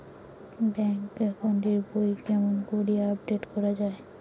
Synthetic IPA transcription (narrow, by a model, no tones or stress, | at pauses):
bɛŋkɛkoɳɖiɾbojkɛmonkoɾijeapɖeʈkɔɾad͡ʑae